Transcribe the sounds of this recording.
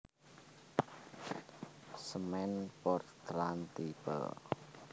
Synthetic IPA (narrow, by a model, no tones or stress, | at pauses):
səmɛnpɔrt̪ɾant̪ipə̰